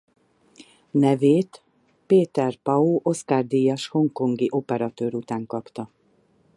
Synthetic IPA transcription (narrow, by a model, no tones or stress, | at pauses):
nɛveːt̪ | peːt̪ɛrpɒuːʔo̞skaːrd̪ijɒʃho̞ŋko̞ŋɡiʔo̞pɛɾɒt̪øːɾut̪aːŋkɒpt̪ɒ